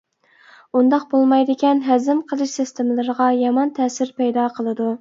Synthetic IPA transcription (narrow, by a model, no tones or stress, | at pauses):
und̪ɑq̚bolˠmɑjd̪ɪkʲɛnɦæzɪmqʰəlˠɨʃsɪst̪ʰɪmɪlˠɨɾəʁɑjɑmɑnt̪ʰɛːsɪɾpɛjd̪ɑqʰəlˠɨd̪u